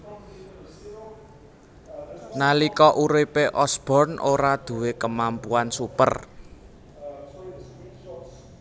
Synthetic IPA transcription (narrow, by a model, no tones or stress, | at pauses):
nalikɔʔuɾipeʔɔsb̥ɔ̤rnʔoɾad̪̥ṳwekəmampuansupə̰r